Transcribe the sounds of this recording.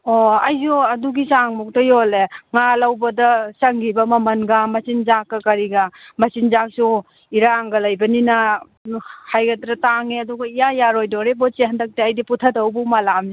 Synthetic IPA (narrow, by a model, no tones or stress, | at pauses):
ɔɐjzɔɐduɡisaŋmɔk̚tɐjoleŋalawbɐdɐsaŋɡibɐmɐmɐnɡamɐsinzakːɐkɐɾiɡamɐsinzak̚su | iɾaŋɡɐlɐjbɐnina | hajɡɐtɾataŋeɐduɡɐijajaɾojdɔɾebɔseɦandɐk̚teajdiputʰadawbumalamzi